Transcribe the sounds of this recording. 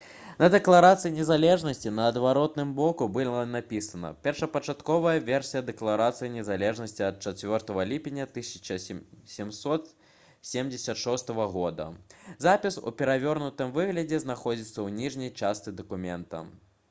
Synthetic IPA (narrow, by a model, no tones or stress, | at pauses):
nɐd̪ɛklˠaɾat̪sɨjinʲɛzalʲɛʐnɐsʲt͡sʲinɐːd̪vaɾɔt̪̚nɨmbɔkubɨlˠɐnapʲisɐnɐ̰pʲɛrʂɐpɐt͡ʂat̪kɔvɐjɐvʲɛrsʲijɐd̪ɛklˠaɾat̪sɨjinʲɛzalʲɛʐnɐsʲt͡sʲiɐt̪̚t͡ʂat͡sʲvʲɔrt̪ɐvɐlʲipʲinʲːɐt̪ɨsʲɐt͡ʂɐsʲɛmsɔt̪ | sʲemd͡zʲɪsʲɐt̪ʂɔst̪ɐvɐɣɔd̪ɐ̰zapʲisṵpʲɛɾavʲɔrnut̪ɨmvɨɣlʲɐd͡zʲɛznaxɔd͡zʲit̪sːɐwnʲiʐnʲɐjt͡ʂast̪sɨd̪ɐkumʲɛnt̪ɐ̰